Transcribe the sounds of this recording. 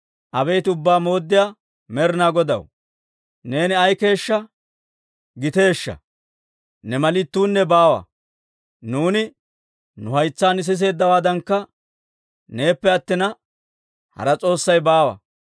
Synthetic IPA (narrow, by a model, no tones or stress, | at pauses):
ʔɐbejt̪ʊbːaːmo̞ːd̪ːɪjaː | mɛɾɪnaːɡɔd̪ɐ̰w | ne̞ːnɪɐjke̞ːʃːɐ | ɡɪt̪e̞ːʃːɐ̰ | nɛmɐlɪt̪ːuːnːɛbaːwɐ̰ | nuːnɪ | nʊhɐjt͡sːaːnɪs̬ɪs̬e̞ːd̪ːɐwaːd̪ɐŋkːɐ | ne̞ːpːɛɐt̪ːɪnɐ | hɐ̰ɾɐt͡sʼo̞ːsːɐjbaːwɐ̰